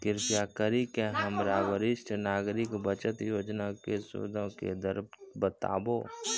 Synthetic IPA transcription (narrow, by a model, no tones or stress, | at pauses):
kɪɾpjakəɾikeɦəmɾaːʋəɾɪʃʈnaːɡɾɪkbət͡ʃət̪joːd͡ʒnakeso̰ːd̪ʱõkḛd̪əɾbbət̪a̰ːboː